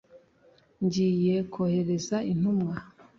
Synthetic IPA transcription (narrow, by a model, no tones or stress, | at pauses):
ɲɟiːje̞kʰohe̞ɾe̞zain̥umŋa